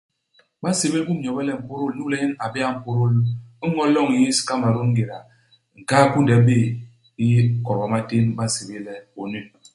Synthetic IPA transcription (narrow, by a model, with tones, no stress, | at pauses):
ma˦se˨be˦lku˦m˨ɲ˨ɔ˨bɛ˦lɛ˦m̩˨po˦ɾo˦lu˦lɛ˦ɲi˦na˨be˦a˦m̩˨po˦ɾo˦lu˦ŋɔ˦lɔ˦˨ŋi˨ji˦si̥˦ka˦ma˨ɾo˦ŋ̩˦ɡe˨ɾa˨ | ŋ̩˨ka˦ku˦n˨dɛ˨˦be˦˨ | i˦kɔ˨ɾba˨ma˦te˦nba˦˨se˨be˦lɛ˦o˨ne˦˨